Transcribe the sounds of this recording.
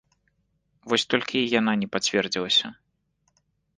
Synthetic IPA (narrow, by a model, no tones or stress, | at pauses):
vɔsʲt̪ɔlʲkʲʰijan̪anʲɛpat͡sʲvʲɛrd͡zʲilˠɐsʲɐ